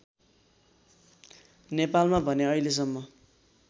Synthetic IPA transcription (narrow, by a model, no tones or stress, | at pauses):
nepalmabʱʌneʌiles̬ʌmːʌ